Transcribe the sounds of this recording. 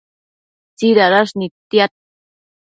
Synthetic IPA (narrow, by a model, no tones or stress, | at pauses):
t͡siɾaɾaʂnit̪jat̪̚